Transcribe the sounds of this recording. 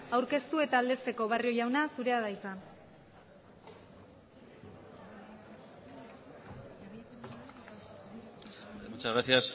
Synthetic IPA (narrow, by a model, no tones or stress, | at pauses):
awɾke̞st̪ue̞t̪aːld̪e̞st̪e̞ko̞β̞ario̞jawnasuɾe̞að̞aisan | mot͡ʃaɣɾasias